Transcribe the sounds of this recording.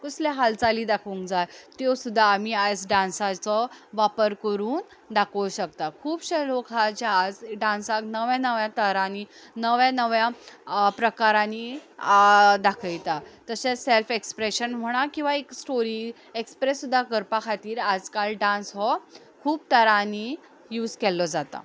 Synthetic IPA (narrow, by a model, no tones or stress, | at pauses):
kuslaɦalt͡saliːd̪akʰũŋkd͡zat̪t̪josud̪ʱːaːm̤iad͡zɖãnsat͡sɔʋapəɾkəɾuːn | d̪akʰəwɕəkt̪akʰuːbɕelokʰat͡ɕaːd͡zɖãnsaknəʋjãnəʋjãt̪əɾãni | nəʋjãnəʋjapɾəkaɾãni | d̪akʰəjt̪at̪əseselfekspɾeɕənm̤əɽ̃akĩw̃ʋaeksʈoɾiː | ekspɾesːud̪ʱːakəɾpakʰat̪iːɾad͡zkalɖãnsɦɔ | kʰuːb̚t̪əɾani | juːd͡zkɛlːɔd͡zat̪a̰